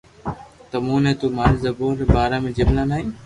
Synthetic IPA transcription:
t̪əmuːnẽːt̪uːmaːɾiːzəboːɾbaːɾaːmẽːd͡ʒɪbnaːnaːĩː

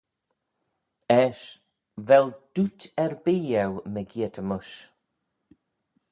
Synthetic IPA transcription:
ɛʃ | vɛld̪̥utɛɹbiːɛwməɡiətʰəmʊʃ

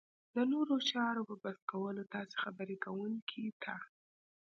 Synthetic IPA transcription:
d̪ənoɾot͡ʃɑɾopəbaskawəlot̪ɑse̥xabəɾekawunkʰit̪ʰa

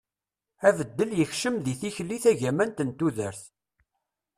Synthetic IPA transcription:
ævəd̪ːəljəçʃəmðiθiçlːiθæʝæmænt̪ənt̪ːuðəɾθ

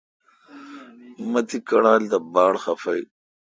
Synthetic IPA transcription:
mɐt̪ikɐɽaːld̪ɐbaːɽxɐfɐj

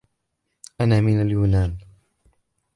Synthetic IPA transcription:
ʔanaːmɪnaljuːnaːn

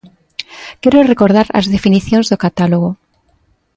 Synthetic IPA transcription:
keɾorekoɾð̞aɾa̰zðefiniθjonzðokat̪aloɣ̞o

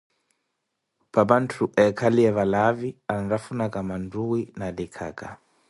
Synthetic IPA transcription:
paβantʰuʔɛkʰaliɛβalaviandafunakamanduwinalikʰa̰ːka

